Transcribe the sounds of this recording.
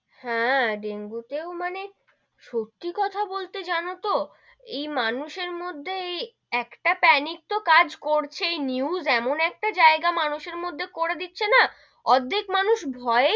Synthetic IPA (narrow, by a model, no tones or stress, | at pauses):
hɛ̃ɖeŋɡut̪eomane | ʃot̪ːikɔt̪ʰabolt̪ed͡ʑanot̪o | ejmanuʃeɾmod̪ʱːej | ɛkʈapɛnik̚t̪okad͡ʑkoɾt͡ɕʰeejniuzɛmonɛk̚ʈad͡ʑaeɡamanuʃeɾmod̪ʱːekoɾed̪itːɕʰena | ɔd̪ʱːekmanuʃbʱɔe